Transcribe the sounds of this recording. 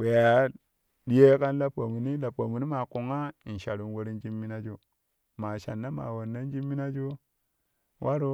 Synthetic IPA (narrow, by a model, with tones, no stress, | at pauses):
we˨ja˨ | di˦je˦ka˦nla˦po˨mu˨ni˦la˨po˨mu˨ni˦ma˨ku˨ŋa˦i˨n˨ʃa˨ɾu˨nwo˦ɾi˦nd͡ʒi˦mːi˦na˦d͡ʒo˦ | ma˨ʃa̰˨nːa˦ma̰˨wo˨nːa˦nd͡ʒi˦mːi˦na˦d͡ʒo˦ | wʔa˦ɾo˦